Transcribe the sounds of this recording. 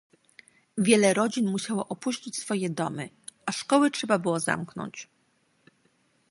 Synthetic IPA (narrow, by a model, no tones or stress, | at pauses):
vʲjɛlɛɾɔd͡ʑinmuɕawɔʔɔpuɕt͡ɕit͡ɕsfɔjɛd̪ɔmɘ | ʔaʂkɔwɘtʂɛbabɘwɔza̰mknɔ̰ɲt͡ɕ